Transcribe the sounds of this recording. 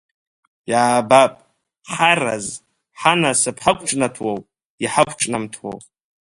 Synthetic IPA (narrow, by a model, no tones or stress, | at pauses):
jaːbapʼ | ħara̰z | ħanasɨpʰħakʷʰʼʈ͡ʂʼnatʰwow | iħakʷʰʼʈ͡ʂʼnamtʰwo̰wʼ